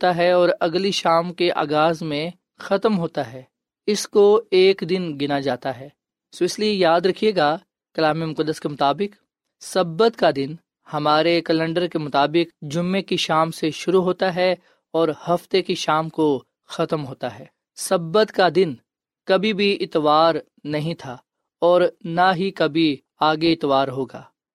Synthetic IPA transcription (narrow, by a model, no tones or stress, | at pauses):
t̪aɦɛɔːɾɐɡliʃaːmkeʔa̰ːɡaːzmẽ | xɐt̪mɦoːt̪aɦɛː | ɪskoeːkd̪ɪnɡɪnad͡ʒaːt̪aɦɛː | soɪsliejaːd̪ɾɐkʰieːɡa | kɐlaːmimʊkəd̪ːəskemʊt̪aːbɪk | sɐbːət̪kad̪ɪn | hɐmaːɾekɐlə̃ɳɖəɾkemʊt̪aːbɪkd͡ʒʊmːekiʃaːmseʃʊɾuɦoːt̪aɦɛ | ɔːɾhɐft̪ekiʃaːmko | xɐt̪mɦoːt̪aɦɛː | sɐbət̪kad̪ɪn | kɐbʱibʱiɪt̪ʋaːɾ | nɐɦĩt̪ʰaː | ɔːɾnaɦikɐbʱi | aːɡeɪt̪ʋaːɾɦoːɡa̰ː